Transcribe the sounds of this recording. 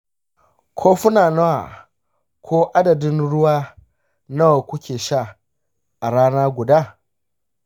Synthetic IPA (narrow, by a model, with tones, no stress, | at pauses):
kʷʰoː˦ɸʊ˦naː˨nɐ˦wa̰˨ | kʷʰoː˦ʔa˦dɐ˨dɪ˦nɽʊ˦waː˦ | nɐ˦wa˨kʷʊ˦kʲeː˨ʃa˦˨ | ʔa˨ɽaː˦naː˦ɡʷʊ˨daː˦˨